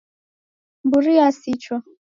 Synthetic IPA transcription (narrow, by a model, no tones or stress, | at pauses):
mbuɾiasit͡ʃɔ